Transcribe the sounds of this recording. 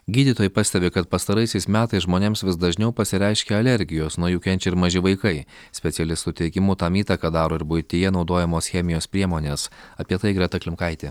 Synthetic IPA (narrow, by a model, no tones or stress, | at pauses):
ɡʲiːd̪ʲit̪oːjɪpɑːsʲt̪ʲɛbʲɪkɐt̪̚pɐst̪ɐɾɐɪsʲɛɪsmʲæːt̪ɐɪsʒmoːnʲeːmsʋʲɪsd̪ɐʒʲnʲɛʊpɐsʲɪɾʲɛɪʃʲkʲeɐlʲɛɾʲɡʲɪjoːsnuɔjuːkʲɛnʲt͡ʃʲɛɪɾmɐʒʲɪʋɐɪkɐɪ | sʲpʲɛt̪sʲɪɛlʲɪst̪ʊt̪ʲɛɪkʲɪmut̪ɑmiːt̪ɐkɑd̪ɑːɾoːɪɾbʊjt̪ʲɪjɛnɒʊd̪oːjɛmoːsxʲɛmʲɪjoːspʲɾʲiɛmoːnʲeːsɐpʲiɛt̪ɐɪɡɾʲɛt̪ɐklʲɪmkɐɪt̪ʲe